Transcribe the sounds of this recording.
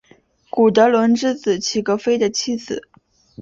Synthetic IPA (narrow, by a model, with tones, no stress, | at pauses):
ku˨˩t̪ɤ˧˥lwə˧˥nʈ͡ʂɻ̩˥t͡sɹ̩˨˩t͡ɕʰi˧˩ɡə˧˥fe˥ɪd̪ə˨t͡ɕʰi˥˩s̩˨˩˦